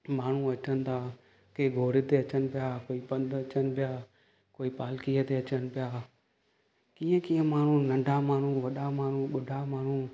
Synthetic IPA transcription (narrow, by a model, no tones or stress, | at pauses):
maːɳ̤ũɐt͡ɕənɪ̆t̪ʰaː | keɡʱoːɾɪt̪eɐt͡ɕənɪ̆pɪjakoːipɐ̃nd̪ɐt͡ɕənɪ̆pɪjaː | koːipaːlkiːət̪eɐt͡ɕənɪ̆pɪjaː | kiːə̃kĩːə̃maːɳ̤ũnɐ̃ɳɖʱamaːɳ̤ũʋɐɗamaːɳ̤ũɓʊɖʱamaːɳ̤u